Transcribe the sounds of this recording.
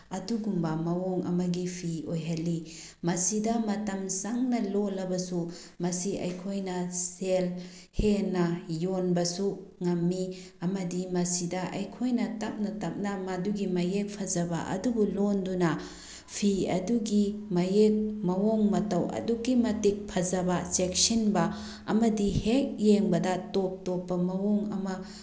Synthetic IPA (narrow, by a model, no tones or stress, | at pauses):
ɐduɡumbɐmɐwɔŋʔɐ̰mɐɡipʰiojɦalːi | mɐsidɐmɐtɐmsaŋnɐlolɐbɐsu | mɐsiɐ̰jkʰojnɐsel | henɐjonbɐsuŋɐmːi | ɐmɐdimɐsidɐʔɐjkʰojnɐtɐp̚nɐtɐp̚nɐmɐduɡimɐjek̚pʰɐzɐbɐ̰ʔɐ̰dubulondunɐ | pʰiɐ̰duɡimɐjek̚mɐwoŋmɐtɐwɐ̰dukːimɐtik̚pʰɐzɐbɐsek̚sinbɐ | ɐ̰mɐdihek̚jeŋbɐdɐtop̚topːɐmɐwoŋɐmɐ